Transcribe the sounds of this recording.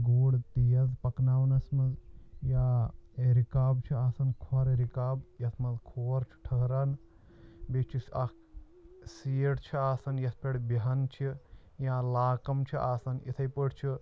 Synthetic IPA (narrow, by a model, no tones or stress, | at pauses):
ɡoːɽt̪ijɐzpɐknaːʋnɐsmɐzjaːɾikaːbt͡ʃʰiaːsɐnkʰaɾɐɾikaːbjɐsmɐzkʰoːɾt͡ʃʰi̥ʈʰəɦɾan | bet͡ʃʰisɐk | siːɽt͡ʃʰiaːsɐnjɐspʲeɽbiɦant͡ʃʰi | jãːlaːkɐmt͡ʃʰiʔaːsɐnḭt̪ʰɐjpəɽt͡ʃʰi